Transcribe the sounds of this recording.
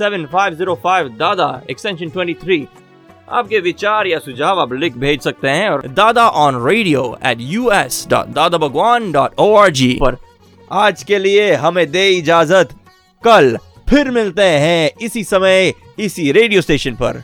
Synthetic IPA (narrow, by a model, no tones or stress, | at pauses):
sɛʋə̃nfaːɪʋziːɾofaːɪʋd̪aːd̪a̰ɛ̰ksʈɛ̃nʃə̃nʈwɛ̃ɳʈit̪ʰɾiː | a̰ːp̚keʋɪt͡ʃaːɾjasʊd͡ʒʱaːʋaːplɪk̚bʱeːd͡ʒsɐk̚t̪eɦɛ̃ɔːɾd̪aːd̪aʔɔːnɾeːɖijoːɛ̰ːʈjuːɛsɖɔ̰ːʈ̚d̪aːd̪abɐɡwaːnɖɔːʈʰoːaːɾd͡ʒiːpɐɾ | aːd͡ʒkelieɦɐmẽd̪eːɪd͡ʒaːzət̪ | kɐl | pʰɪɾmɪlt̪eɦɛ̃ɪsisɐməj | ɪsiɾeːɖioːsʈeːʃə̃npɐ̰ɾ